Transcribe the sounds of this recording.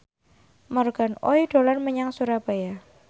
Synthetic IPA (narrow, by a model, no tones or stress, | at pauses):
mɔrɡ̥anɔ̰iɖ̥o̤lanməɲaŋsuɾab̥aja